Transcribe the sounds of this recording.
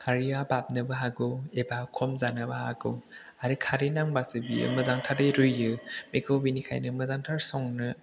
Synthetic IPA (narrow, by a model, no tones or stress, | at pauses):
kʰaɾiabap̚nɯbaɦaɡɯwebakʰɔmzanɯbaha̰ɡɯw | aɾikʰaɾinaŋbasɯbiɯ̰mɯzaŋtʰadɯjɾɯjɯmekʰobinikʰa̰jnɯmɯzaŋtʰaɾsɔŋnɯ